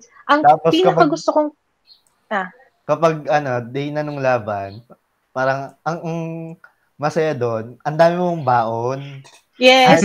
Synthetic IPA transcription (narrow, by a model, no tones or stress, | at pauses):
ʔɐŋt̪aːpopiːnkɐpkɐɡʊst̪okoŋ | a | kɐpɐɡ̚ɐno̞d̪ɛjnɐnoŋlaːbɐn | paːɾɐŋʔɐŋɐŋ | mɐsɐjad̪o̞nɐnd̪aːmɪmoŋbaːʔon | jɛ